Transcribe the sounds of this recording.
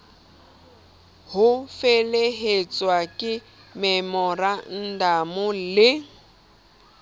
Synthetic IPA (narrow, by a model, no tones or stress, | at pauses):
hʊfeleɦet͡sʼwakʼɪ | mɛmɔran̩dʱamʊlɪ